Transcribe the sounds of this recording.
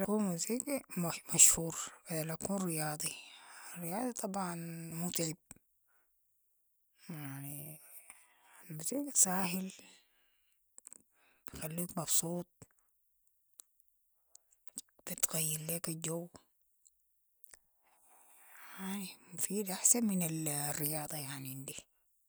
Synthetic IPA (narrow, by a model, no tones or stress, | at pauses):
lkuːmuziːkmaʃhuːɾbad̪alakuːnrɪjɑːd̪ˤirːijɑːd̪ˤit̪ˤɑbʕɑnmut̪ˤʕib̚ | jaʕni | almuziːksaːɦɪl | b̥ijxalːiːkmɑbsˤuːt̪̚ˤ | b̥it̪ɣajːiɾleːkad͡ʒowː | aʕnimufiːd̪ʔaħsanminalrːɪjɑːd̪ˤɑjaʕniʔnd̪i